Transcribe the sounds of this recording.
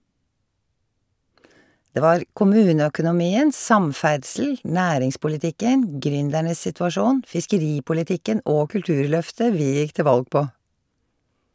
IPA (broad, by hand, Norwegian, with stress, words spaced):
ˈdeː ˈʋɑːɾ kʊˈmʉːnəœkʊnʊˌmiːən ˈsɑmˌfæɖsl̩ ˈnæːɾɪŋspʊlɪˌtɪkən ˈɡɾʏndæɳəs sɪtʋɑˈʃuːn fɪskəˈɾiːpʊlɪˌtɪkən ˈʔoː kʉlˈtʉːɹˌlœftə ˈʋiː ˈjɪk ˈtɪ ˈʋɑlɡ ˈpoː